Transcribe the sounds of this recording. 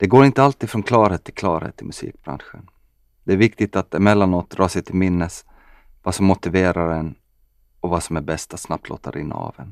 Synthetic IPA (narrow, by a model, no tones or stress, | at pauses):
d̪̥ɛɡoːɾɪnt̪əalt̪iːd̪fɾɔnkʰlɑːɾheːt̪ʰːɪlkʰlɑːɾhḛːt̪ʰːɪlmɵsḭːk̚b̥ɾa̰nɧən | d̪̥ɛæɾvɪkt̪ɪt̪at̪ɛmɛlːanoːt̪̚d̪ɾʔɑːʂɛjt̪ʰɪlmɪnːəs | vasɔmːʊt̪ɪveːɾaɾɛn | ɔvasɔmæɾbɛst̪at̪snap̚t̪lo̰ːt̪a̰ɾɪ̰nːa̰ɑ̰vɛ̰n